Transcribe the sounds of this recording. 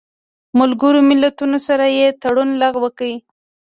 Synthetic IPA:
malɡəɾomɪlat̪unosaɾajet̪aɽunlaɣwəkəwi

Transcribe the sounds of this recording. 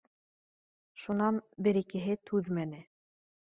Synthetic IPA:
ʃunɑnbɘ̆ɾikɘ̆ɦɘt̪ʰʉðmænɘ

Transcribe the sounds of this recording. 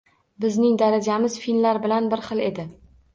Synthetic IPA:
bɪznɪŋd̪aɾad͡ʒamɪz̥finlaɾbɪlanbɪɾχɨlˠe̞d̪ɪ

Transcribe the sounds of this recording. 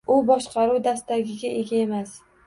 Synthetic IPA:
ʊbɒʃqʰɑɾuwd̪ast̪aɡʲɪɡʲaʔe̞ɡʲae̞mas

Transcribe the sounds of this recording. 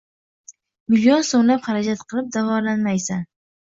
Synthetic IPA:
mɪlijonsoŋlapχaɾad͡ʒat̪qʰɨlˠɪp̚d̪avɒɾlanmajsan

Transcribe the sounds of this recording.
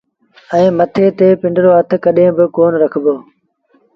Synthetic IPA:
ɛ̃ːmɐt̪ʰeːt̪eːpɪ̃ɳɖɪɾoːɐt̪̆ʰkəɗẽːbɪkoːnɾɐkʰboː

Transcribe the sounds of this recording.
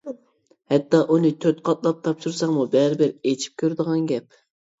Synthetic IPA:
hɛt̪ːɑʔunɨt̪ʰøt̪qʰɑt̪lˠɑp̚t̪ʰɑpʃuɾsɑŋmubæɾɪbɪɾet͡ʃʰi̥p̚kʲʰøɾd̪əʁɑnɡʲɛp

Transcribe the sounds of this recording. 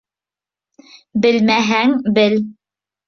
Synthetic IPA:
bɘ̆lmæɦæŋbɘl

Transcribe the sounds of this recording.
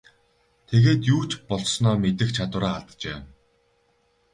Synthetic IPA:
t̪ʰeɣeːt̪juːt͡ɕpɔɮsnɔːmet̪ɘ̆xt͡ɕʰat̪wə̆ɾaːaɮt̪t͡ɕeː

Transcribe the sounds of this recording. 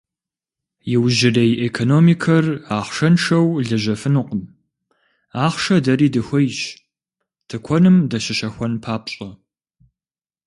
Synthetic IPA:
jɪwʒɪrejʔekʰonoːmikʰɐraːχʂɐnʂɐwɮɐʑɐfɨnʊqʼəm | aːχʂɐdɐɾiːdɨxʷɔjʃ | tʰɨkʷʰɔnɨmdɐɕɪʃɐxʷɔnpʰaːpɕʼɐ

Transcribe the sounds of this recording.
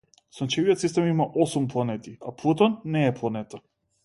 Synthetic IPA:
sɔnt͡ʃɛvijɔt̪sist̪ɛmimaʔɔsumplˠanɛt̪ia̰plˠut̪ɔnːɛːplˠanɛt̪a

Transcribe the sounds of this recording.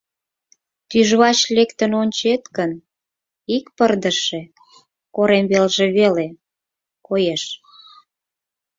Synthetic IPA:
t̪yʒβɑt͡ɕlekt̪ənonʲt͡ɕet̪kən | ikpərd̪əʃe | koɾemβelʒeβele | kojeʃ

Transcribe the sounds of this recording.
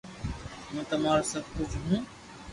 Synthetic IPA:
mə̃ːt̪əmaːɾosəb̚ʱkʊd͡ʒʱɦũː

